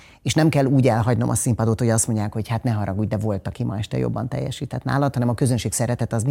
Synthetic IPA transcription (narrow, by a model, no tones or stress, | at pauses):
eːʃnɛmkɛlːuːɟɛlɦɒɟno̞mʔɒ̰simpɒd̪ot̪hoɟɒst̪mo̞ɲɟaːkho̞chat̪nɛɦɒɾɒɡuːɟ̚d̪ɛvo̞lt̪ɒkimʔɒɛʃt̪ɛ̰jo̰bːɒnt̪ɛ̰jːɛ̰ʃiːt̪ɛt̪na̰ːlɒt̪hɒnɛmɒkøzønʃeːksɛɾɛt̪ɛt̪ɒz